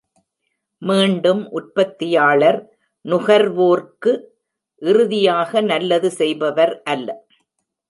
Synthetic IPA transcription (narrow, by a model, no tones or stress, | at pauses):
miːɳɖɯmʔʊʈ̚pɐt̪ːɪjaːɭɐɾ | nʊɣɐɾʋoːrkɯ | ʔɪɾɯðɪjaːɣɐnɐlːɐðɯsɛjbɐʋɐɾʔɐlːɐ